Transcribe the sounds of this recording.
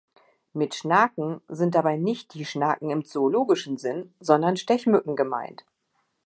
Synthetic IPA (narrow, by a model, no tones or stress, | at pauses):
mɪtʃnakŋ̩zɪnt̚d̥abaɪnɪçt̚d̥iːʃnaːkŋ̩ɪmt͡soːloːɡɪʃn̩zɪnzɔndɐnʃtɛçmʏkŋ̩ɡəma̰ɪnt